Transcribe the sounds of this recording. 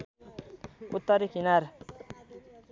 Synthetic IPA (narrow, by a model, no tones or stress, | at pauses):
ut̪ːʌɾikʰinaɾ